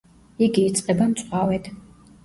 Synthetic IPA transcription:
iɡiːt̪sʼqʼɛbamsʼawɛd̪

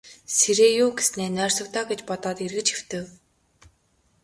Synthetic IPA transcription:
seɾeːjʊːɡesneːnœːrsɞ̆k̚t̪ɔːɡet͡ɕpɔt̪ɔːt̪irɣɘ̆t͡ɕew̥t̪ɘ̆w

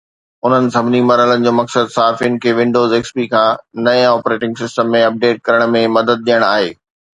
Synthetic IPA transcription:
ʊn̤ənɪ̆sɐbʱɪnimɐɾɦələnɪ̆d͡ʑoːmɐksəd̪saɦaːfijənɪ̆kʰeːʋɪ̃ɳɖoːzeːkspikʰãːnɐẽɔːpɾeːʈɪ̃ŋɡsɪsʈəmːẽɐp̚ɖeːʈ̚kɐɾəɽ̃mẽmɐd̪əd̪̚ɗijəɽ̃aːɦeː

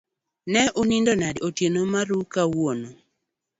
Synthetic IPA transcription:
nɛʔonindɔnadotjenomaɾukawono

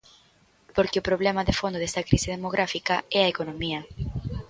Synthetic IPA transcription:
poɾkeʊpɾoβlemaðefond̪oðest̪ɐkɾisɪð̞emoɣɾʔafikɐɛɐekonõmiɐ

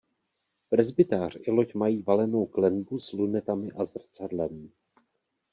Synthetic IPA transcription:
pɾɛzbɪt̪aːr̝ɪlo̞cmajiːvalɛno̞wklɛnbuzlunɛt̪amɪʔazr̩t͡sadlɛm

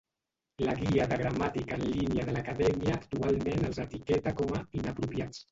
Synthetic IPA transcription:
laɣiaðəɣɾamat̪ikaənlinjaðəlakaðɛmjaːkt̪ualmenəlzət̪ikɛt̪akɔmainapɾupjat͡s

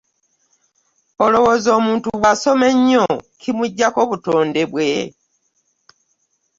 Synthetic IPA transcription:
olo̞wo̞ːzo̞ːmuːntuβwaso̞me̞ɲːokʰimuɟːako̞βuto̞ːnde̞βwe̞

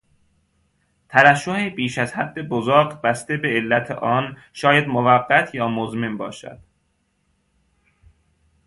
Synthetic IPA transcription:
t̪ʰæɾæʃːohebiːʃæzhæd̪ːebozoːɡbæst̪ebe̞ːlːæt̪ʰḛʔɒːn | ʃɒːjæd̪movæɡːæt̪ʰjɒːmozmembɒ̰ːʃæ̰d̪̥

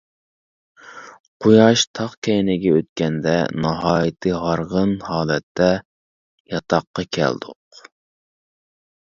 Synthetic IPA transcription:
qʰojɑʃt̪ʰɑχkʲʰɛjnɪɡʲɛøt̪̚kʲɛnd̪ɛ̰nɑɦɑːjɨt̪ʰɨɦɑɾʁənhɑːlˠɛt̪ʰːɛ | jɑt̪ʰɑqːɑkʲʰɛ̰ld̪ʊ̰q

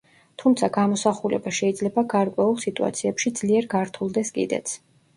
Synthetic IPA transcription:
t̪ʰumt̪sʰaɡamɔsaχulɛ̰baʃɛid̪zlɛbaɡaɾkʼwɛulˠsit̪ʼua̰t̪sʰiɛpʃid̪z̥liɛɾɡaɾt̪ʰulˠd̪ɛskʼḭd̪ɛ̰t̪sʰ

